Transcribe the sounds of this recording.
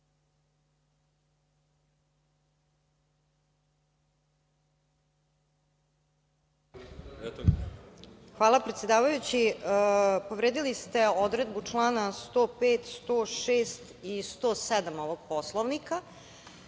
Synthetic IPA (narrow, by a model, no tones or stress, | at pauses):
xʋaːlˠapɾe̞t̪sjed̪aːʋajut͡ɕi | po̞ʋɾeːd̪ilist̪e̞od̪ɾed̪̚but͡ʂlˠaːnast̪oːpeːt̪st̪oːʃeːst̪ist̪oːsɛd̪amoʋoɡ̥̚poslˠoʋnika